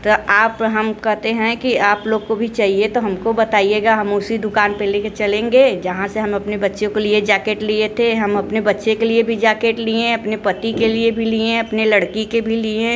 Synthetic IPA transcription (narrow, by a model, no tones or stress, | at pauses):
t̪oaːpɦɐmkɛɦt̪eɦɛ̃kiaːploːɡ̚kobʱit͡ʃaːɦiet̪oɦɐmkobɐt̪aːieːɡaɦɐmʊsid̪ʊkaːnpeleket͡ʃɐlẽːŋɡeːd͡ʒɐɦãseɦɐmɐpnebɐtːʃõkelied͡ʒaːkeːʈliet̪ʰeɦɐmɐpnebɐtːʃẽkeliebʱid͡ʒaːkeʈliẽɐpnepɐt̪ikeliebʱiliẽɐpnelɐɽkikebʱiliẽ